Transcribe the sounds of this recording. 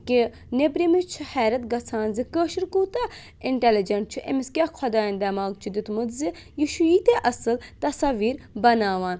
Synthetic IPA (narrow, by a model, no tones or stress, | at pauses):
ki | nebɾimit͡ʃʰuhɛːɾɐt̪̚ɡɐt͡sʰaːnzikəːʃiɾkuːt̪a | ɪɳʈelid͡ʒɐɳʈ̚t͡ʃʰuʔḛmiskʲaːkʰɐd̪aːind̪ɐːmaːɡt͡ʃʰud̪it̪mud̪zi | jiʃujiːt̪eʔɐsɨlt̪ɐsɐʋiːɾbɐnaːʋaːn